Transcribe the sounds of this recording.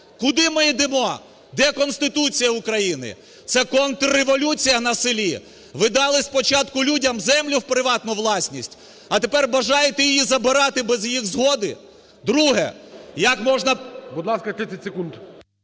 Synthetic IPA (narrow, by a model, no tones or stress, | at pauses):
kʊd̪ɪmɪid̪ɪmɔ | d̪ɛkɔnst̪ɪt̪ut͡sʲijɐʊkɾɐjinɪ̰ | t̪sɛkɔnt̪reʋɔlʲut͡sʲijɐnɐsɪlʲi | ʋɪd̪ɑlˠɪsʲpɔt͡ʃɑt̪kʊlʲudʲɐmzɛmlʲʊwpɾɪʋɑt̪nʊʋlˠɑsʲnʲisʲtʲ | ɐt̪epɛrbɐʒɑjet̪ɛjɪjizɐbɪɾɑt̪ɪbɛzjixzɦɔd̪ɪ | d̪ɾuɦɛ̰jɐkmɔʒnɐbʊd̪lˠɑskɐt̪ɾɪt͡sʲɪtʲsʲekunt̪